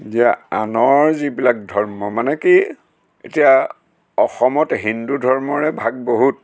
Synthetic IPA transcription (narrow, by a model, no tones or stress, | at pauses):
zijaanɔɹzibilak̚dʱɔɹmɔmanɛki | ḛtija | ɔxɔmɔtɦindudʱɔɹmɔɹɛbʱaɡ̚boɦut̚